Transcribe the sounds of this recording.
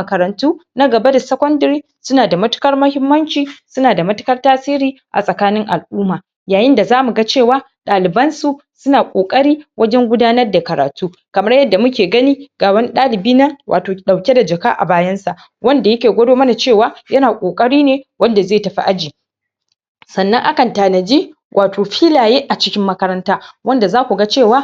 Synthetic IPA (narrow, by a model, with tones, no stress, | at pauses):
mɐ˨kɐ˨ɾɐ˨ntuː˦na˦ɡɐ˨ba˦da˨sɐ˦kʷɔ˦ndɐ˨ɾiː˦ | sʊ˦naː˨da˨mɐ˦tʊ̥˦kɐ˦rmɐ˦hɪ˦mːɐ˦nt͡ʃiː˨sʊ˦naː˨da˨mɐ˦tʊ̥˦kɐ˦rtaː˦siː˦ɾiː˦ | ʔa̰˨sʼɐ˨kaː˦nɪ˦ŋʔa̰˨lʔuː˦maː˨ | jaː˨jɪ˦nda˨zaː˦mu˨ɡa˦t͡ʃeː˦˨waː˦ | ɗaː˨lɪ˨bɐ˦nsu˨ | sʊ˦naː˨kʷʼoː˨kʼɐ˦ɽiː˦wʔɐ˦d͡ʒɛ˦ŋɡʷʊ˦daː˦nɐ˦rda˨kɐ˨ɾa̰ː˨tuː˦ | kɐ˨mɐ˦rjɐ˦dːa˨mʊ˦kʲeː˨ɡɐ˦niː˦ɡ̥aː˨bɐ˦nɗaː˦lɪ˨biː˦na˦wʔa̰ː˨toː˨ɗa˨wkʲe˦da˨d͡ʒɐ˨ka̰ː˦ʔa̰˨baː˦jɐ˦nsa˨ʔ | wʔɐ˦nda˨jɐ˦kʲeː˨ɡʷɐ˦doː˦mɐ˦na˨t͡ʃeː˦˨waː˦jɐ˦naː˨kʷʼoː˨kʼɐ˦ɽiː˦neː˨wɐ˦nda˨zeː˦˨tɐ˨ɸḭ˦ʔa˦d͡ʒiː˨ | sɐ˨nːɐ˦ŋʔa˦kɐ˨ntaː˨nɐ˨d͡ʒiː˦ | wʔaː˨toː˨ɸiː˦laː˨jeː˦ʔa˨t͡ʃɪ˦kʲɪ˦mːɐ˦kɐ˦ɾɐ˦ntaː˦wɐ˦nda˨zaː˦kʷu˨ɡa˦t͡ʃeː˦˨waː˦